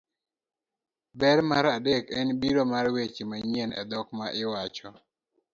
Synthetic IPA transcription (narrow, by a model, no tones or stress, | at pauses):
bɛɾmaɾadekɛnbiɾomarwet͡ʃimaɲenɛ̰d̪ɔkmaʔɪwat͡ʃɔ